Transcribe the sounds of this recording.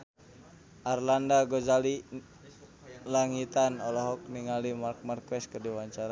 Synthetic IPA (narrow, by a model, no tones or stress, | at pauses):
ʔarlandaɡɔd͡ʒali | laŋit̪anɔlɔɦɔk̚niŋalimark̚markwɛs̚kərdiwaɲt͡ʃaɾa